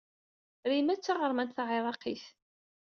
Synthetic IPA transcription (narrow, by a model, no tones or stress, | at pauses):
ɾimæt͡sːaʁəɾˤmænt̪θaʕɪðˤɑqiθ